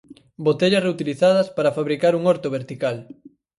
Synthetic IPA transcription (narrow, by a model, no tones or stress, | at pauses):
bot̪eʎɐsreut̪iliθað̞ɐspaɾɐfaβɾikaɾuŋoɾt̪oβeɾt̪ikal